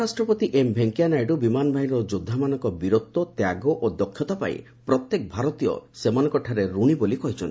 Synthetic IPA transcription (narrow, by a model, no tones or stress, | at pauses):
asʈɾɔpɔt̪iʔembʱeŋkijanajɖubimanɔbʱaɦinɔd͡ʒod̪ʱːamanɔŋkɔbiɾot̪ːɔt̪jaɡɔʔod̪ɔkʰːjɔt̪apa̰ḭ | pɾɔt̪jek̚bʱaɾɔt̪ijɔ̰semanɔ̃ŋkɔʈʰaɾeɾuɽ̃ibolikɔɦit͡ʃʰɔn